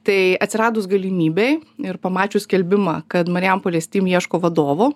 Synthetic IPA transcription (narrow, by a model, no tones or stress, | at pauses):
t̪ɐɪɐt̪sʲɪɾɑːd̪ʊsɡɐlʲimʲiːbʲeɪɪɾpɐmɑːt͡ʃʲʊsʲkʲɛlʲbʲɪmɑːkɐt̪mɐɾʲjɛmpoːlʲɛsʲt̪ʲiːmjiɛʃkoːʋɐd̪oːʋoː